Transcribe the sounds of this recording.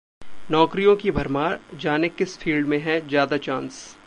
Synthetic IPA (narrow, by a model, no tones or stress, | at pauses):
nɔːkɾijõkibʱɐɾmaːɾd͡ʒaːnekɪsfʰiːlɖmẽɦɛ̃zjaːd̪at͡ʃãːns